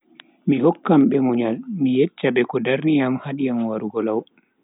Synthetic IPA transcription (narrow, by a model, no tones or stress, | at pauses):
mihɔkːamɓɛmuɲalmijɛt͡ʃːabɛkɔdaɾnijamhaɗijamwaɾuɡɔlaw